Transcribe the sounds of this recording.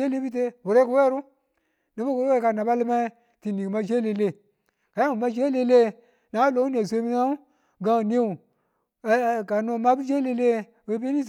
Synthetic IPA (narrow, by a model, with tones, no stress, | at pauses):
e˦le˦bi˦t̬e˦wu˨ɾe˦ku˨we˦ɾu˦ | ne˨˦bu˦wu˨ɾo˦e˦˨ka˨na˨ba˦li˦ma˦i˦ | ti˨ni˨kma˦d͡ʒe˦le˨le˦˨ | ka˨ja˦u˨ma˦d͡ʒe˦le˦le˦ | na˨˦lo˨˦u˦n˦e˨sʷe˦mi˦na˦u˦ | ɡa˦˨ne˦u˨˦ | ka˨no˨ma˦bu˦d͡ʒe˦le˦le˦ | o˦be˦ni˦z